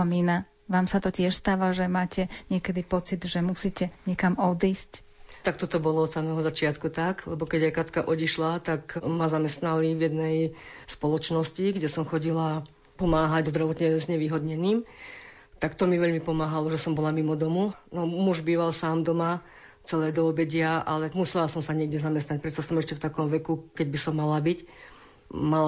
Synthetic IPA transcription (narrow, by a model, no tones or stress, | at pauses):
ɔmiːna | ʋaːmsat̪ɔcɪɛʃst̪aːʋaʒɛmaːcɛɲɪɛkɛd̪ipɔt͡sid̪ʒɛmusiːcɛɲɛkamɔd̪iːsc | t̪akt̪ɔt̪ɔbɔlɔɔd̪samɛːɦɔzat͡ʃɪat̪kut̪aklɛbɔkɛɟajkat̪kaʔɔɟiʃlat̪akmazamɛst̪nalivjɛd̪nɛj | spɔlɔt͡ʃnɔsciɡɟɛsɔmxɔɟila | pɔmaːɦaɟzd̪ɾaʋɔt̪ɲɛzɲɛʋiːɦɔd̪ɲɛniːm | t̪akt̪ɔmiʋɛʎmipɔmaːɦalɔʒɛsɔmbɔlamimɔd̪ɔmunɔmuʒbiːʋalsaːmd̪ɔma | t͡sɛlɛːd̪ɔːbɛɟɪaʔalɛmusɛlasɔmsaɲɪɛɡɟɛzamɛst̪nac̚pɾɛt̪sasɔmɛʃcɛft̪akɔmʋɛkukɛɟ̚bisɔmːalabic | mala